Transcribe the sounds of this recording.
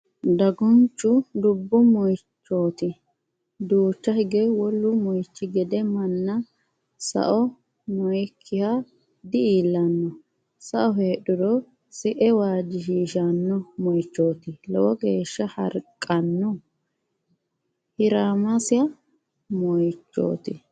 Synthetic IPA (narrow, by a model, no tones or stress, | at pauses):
d̪ɐɡʊnt͡ʃːʊd̪ʊbːʊmɔjt͡ʃːoːt̪ɪ | d̪uːt͡ʃːɐhɪɡɛwɔlːʊmɔjt͡ʃːɪɡɛd̪ɛmɐnːɐ | sɐ̰ʔɔ | mɔjkʰːɪha | d̪ɪiːlːɐnːɔ | sɐʔɔɦeːɗʊdɔ | sɪʔɛwaːd͡ʒɪʃiːʃɐnːɔmɔjt͡ʃːo̞ːt̪ɪlɛwɔɡe̞ːʃːɐhɐ̰ɾkʼːɐnːɔ | hɪɾaːmɐsɪjɐ | mɔjt͡ʃːo̰ːt̪ɪ